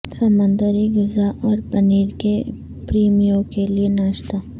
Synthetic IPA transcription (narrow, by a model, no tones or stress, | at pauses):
sɐmə̃nd̪əɾiɡʊzaʔɔːɾpɐniːɾke | pɾiːmijõkelienaːʃt̪aː